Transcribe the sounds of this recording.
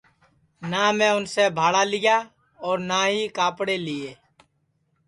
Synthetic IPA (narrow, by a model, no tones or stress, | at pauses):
naːmẽːʊnseːbʱaːɽaːlɪjaː | ɔːɾnaːɦiːkaːpɽeːlɪeː